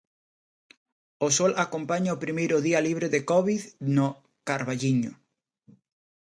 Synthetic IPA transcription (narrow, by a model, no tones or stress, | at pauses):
osɔlakompaɲaopɾimejɾʊðialiβ̞ɾeðekɔβiðno | kaɾβaʎiɲʊ